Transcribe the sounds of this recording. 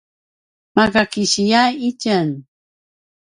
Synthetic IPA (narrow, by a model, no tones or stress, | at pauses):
maɡakiɕijaicən